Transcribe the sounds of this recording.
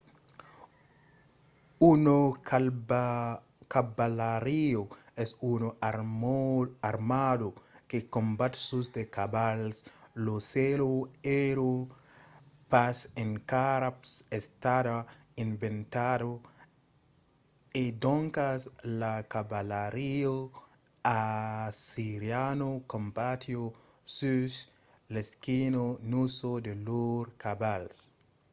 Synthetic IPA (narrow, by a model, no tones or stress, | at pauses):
uno | kabalaɾioesuno | aɾmadokekõmbat̪susd̪ekabalsloseloeɾo | paseŋkaɾapsest̪ada | ĩɱbẽnt̪ado | ed̪oŋkaslakabalaɾio | asiɾjanokõmbat̪ʰjo | sus | leskinonusod̪eluɾkabals